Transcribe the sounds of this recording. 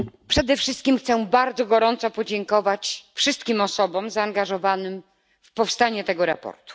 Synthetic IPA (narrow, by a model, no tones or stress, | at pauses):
pʂɛd̪ɛfʂɘst̪kʲimxt̪sɛbaɾd̪zɔɡɔɾɔnt̪sɔpɔd͡ʑɛŋkɔvat͡ɕfʂɘst̪̚kʲimɔsɔbɔmzaːŋɡaʐɔvanɘm | fpɔfst̪aɲɛt̪ɛɡɔɾa̰pɔ̰ɾt̪u̥